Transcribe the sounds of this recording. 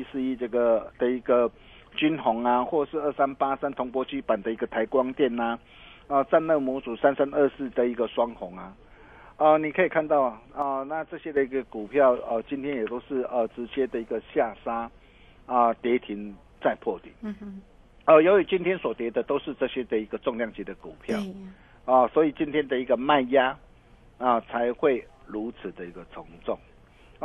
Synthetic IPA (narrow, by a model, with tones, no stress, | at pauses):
i˥s̩˥˧i˥tə˥˩ɡə˩d̪̥ə˨i˧˥ɡə˨ | t͡ɕy˦˥nxʊ˨˥˦ŋa˧xwɔ˥˩˨ʂɻ̩˥˧ə˥˩sa˦npa˦sa˥nt̪ʰʊ˧˥ŋpwɔ˥t͡ɕi˥pa˨˩nd̪ə˩˨i˧˥ɡə˨t̪ʰa˧˥ɪkwɑ˦ŋt̪jɛ˥˩na˨ | ə˧t͡sa˥˧nlə˥˩mɔ˧˥t͡su˨˩sa˦˥nsa˥˦nə˥˧sɹ̩˥˩d̪ə˨˩i˧˥ɡə˨swɑ˥ŋhʊ˨˧˥ŋa˨ | ə˧ni˨˩kʰə˧˥i˨˩kʰa˥˧nt̪ɑ˥˩ʊa˨˩ə˧na˥˧t͡sɤ˥˧ɕjɛ˥d̪ə˨i˧˥ɡə˧˩ku˨˩pʰjɑ˥˩ʊə˧t͡ɕi˦nt̪ʰjɛ˥njɛ˨˩t̪o˥ʊʂɻ̩˥˩ə˨˩ʈ͡ʂɻ̩˧˦t͡ɕjɛ˥d̪ə˨i˧˥ɡə˨ɕja˥˩sa˥ | ə˨t̪jɛ˧˥t̪ʰi˨˦n | t͡sa˥˧ɪpʰwɔ˥˩t̪ḭ˨˩n | ə˧˩jo˧˦ʊy˨˩t͡ɕi˦nt̪ʰjɛ˥nswɔ˨˩t̪jɛ˨˥d̪ə˨t̪o˥ʊʂɻ̩˥˧ʈ͡ʂɤ˥˧ɕjɛ˦d̪ə˨i˧˦˥ɡə˨t͡sɔ˥˧ŋlja˥˩ŋt͡ɕi˧˩d̪ə˨ku˨˩pʰjɑ˥˨ʊ | ə˨˩swɔ˧˥i˨˩t͡ɕi˦nt̪ʰjɛ˥nd̪ə˨i˧˥ɡə˨ma˥˨nja˦ | ə˨˩t͡sʰa˧˦ɪxwe˥˩ɪɻu˨˧˦t͡s̩ʰ˨˩d̪ə˨i˧˦˥ɡə˨t͡sʰo˨˧˦ŋt͡sɔ˥˩ŋ˧